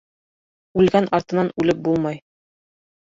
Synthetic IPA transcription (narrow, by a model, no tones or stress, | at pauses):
ʉlɡænɑɾt̪ɤ̆nɑnʉlɘp̚bulˠmɑj